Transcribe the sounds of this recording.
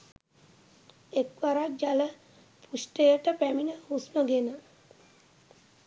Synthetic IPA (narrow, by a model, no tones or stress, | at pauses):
ekʋaɾad͡ʒalə | pʰusʈejəʈəpæminəusməɡenə